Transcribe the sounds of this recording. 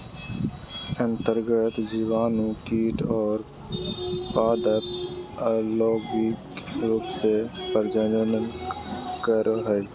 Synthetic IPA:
ə̃nt̪əɾɡət̪d͡ʒiːʋaːnũkiːʈɔːɾ | paːd̪ət̪ | loːɡikɾuːpsepəɾd͡ʒəənənkəɾɦɛj

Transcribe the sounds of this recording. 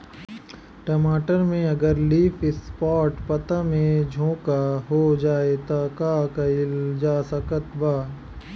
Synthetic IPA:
ʈɐmaːʈəɾmẽɐɡəɾliːfɪspɔːʈpɐt̪amẽd͡ʒʱõːkaɦod͡ʒaːet̪akaːkɐld͡ʒaːsəkət̪baː

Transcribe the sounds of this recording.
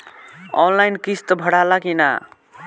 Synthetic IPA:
ɔ̰nlajnkist̪bʱʌɽalakina̰

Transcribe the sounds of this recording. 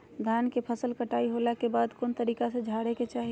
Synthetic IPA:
d̪ʱaːnkepʰəsəlkəʈaːiɦolakebaːd̪koːnt̪əɾiːkased͡ʒʱaːɽeket͡ʃaːɦi

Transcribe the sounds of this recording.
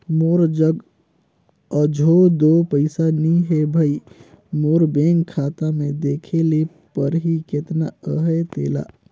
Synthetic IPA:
moːɾd͡ʒəɡ | ɔd͡ʒʱod̪opəɪsanĩɦebʱəi | moːɾbeŋɡkʰːaːt̪amẽd̪eːkʰele | pəɾɦiket̪naəɦet̪eːla̰

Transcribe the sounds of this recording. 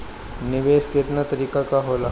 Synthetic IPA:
nɪʋeːʃkɪt̪nat̪ɐɾiːkakaɦoːla

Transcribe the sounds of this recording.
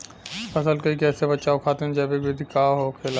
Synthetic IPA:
pɐsəlkɐikɛːsebɐt͡ʃaːokʰaːt̪eɛ̃d͡ʒɛbekʋed̪ikaːɦokʰeːla

